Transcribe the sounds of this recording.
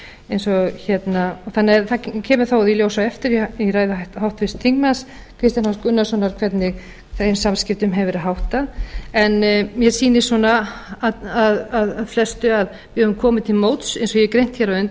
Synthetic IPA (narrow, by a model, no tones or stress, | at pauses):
ejnsɔɣçɛt̪naɔθanːɛθacʰɛːmʏɾ̥θawðiljowsawɛft̪ɪɾiiraːjðʏtɦawht̪fɪst̪θiŋk̚nas | kʰɾɪst̪janhaskʏnːasɔnaɾ̥kʰvɛt̪nɪɣ | θesamscɪft̪ʏmɦɛvɪɾaðɦawht̪aɛnmjɛsiːnɪsɔnːa | aðaðaðflɛst̪ʏað | vɪhœvʏmkʰɔːmɪt̪ʰɪlmoːwt̪sejnsɔjɛkɾejn̥t̪çɛɾaʏnt̪